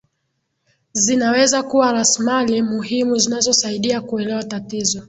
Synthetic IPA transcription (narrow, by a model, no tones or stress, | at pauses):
zinawɛzakuwaɾasimalimuhimuzinazɔsaiɗiakuɛlɛwatatizɔ